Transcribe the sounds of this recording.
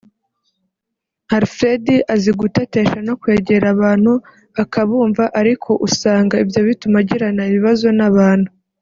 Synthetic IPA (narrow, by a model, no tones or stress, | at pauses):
haɾfɾediʔaziɡutate̞ːʃano̞kwe̞ːɟe̞ɾaβaːn̥hu | akaβuːɱvaʔaɾikʰo̞ʔusaːŋɡaibjo̞βitumaɟiɾanaiβiβazo̞naβaːn̥hu